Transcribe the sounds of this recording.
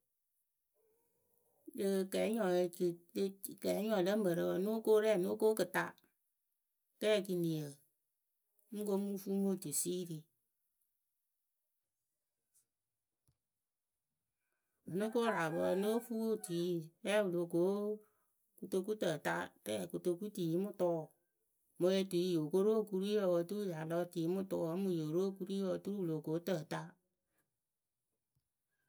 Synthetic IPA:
lɨ˦˨kɛ˨˦ɲɔ˨˧lkɛ˨˦ɲɔ˨lə˦m˦ə˨ɾə˧wə˨˦no˦ko˦ɾɛ˦˨no˦ko˦kɨ˨ta˦ | tɛ˦˨k̬i˧ni˨ə˨˦ | ŋ̩˦ko˦mu˦fu˦mo˦˨ti˨si˦ɾi˨ | ɨ˨nu˦ko˦ɾa˨βə˧˦˨no˦fu˦wo˦˨ti˨˦˨ɛ˦wu˨lo˨ko˨˦ | ku˦to˧ku˦tə˨ta˦tɛ˦˨ku˨to˧ku˦tiː˨˦mʊ˦tɔ˦˨ | mo˧e˧ti˨˦jo˨ko˦ɾo˦˨ku˧ɾi˦ɔ˧˨wo˨tu˦u˦ja˨lɔ˦˨ti˨˦mʊ˦tɔ˦˨˦mu˨jo˨ɾo˦˨ku˦ɾi˦ɔ˨tu˦ɾwlo˨ko˨˦tə˨ta˦

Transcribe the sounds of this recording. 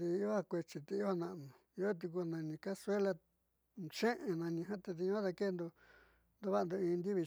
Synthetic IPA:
ði˧˦o˦a˧kʷe˧t͡ʃi˧t̪e˧˦o˦a˧nã˧ʔnũ˨˧˦o˦t̪̬i˧k̬u˧nã˧nĩ˧ka˦se˦la˧ | t͡ʃẽ˦ʔẽ˨nã˧nĩ˧ɦã˦t̪e˧ði˧ɲũ˦a˦t̪a˧ke˦˧nd̪u˧ | nd̪u˧βa˦˧nd̪u˧ĩː˧nd̪i˦βi˧

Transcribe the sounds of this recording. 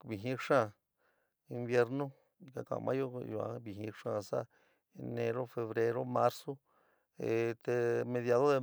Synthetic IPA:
bi˨ɦĩ˧˦ʂã˦˧ | i˧mbje˧ɾnõ˦˧ | ka˧kã̰˨mʔã̰˦jo˦ju˧˨ã̰˧bi˧ɦĩ˧ʂã˧sa̰˦ | e˧nẽ˧ɾo˦fe˧βɾe˧ɾo˦ma˦ɾso˦ | e˨t̪e˧mẽ˧ðja˧ðo˦ðe˧

